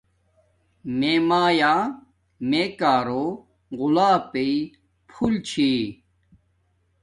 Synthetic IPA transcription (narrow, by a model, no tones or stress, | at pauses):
meːmaːjaː | meːkaːɾoː | ɣulaːpei | pʰult͡ɕʰi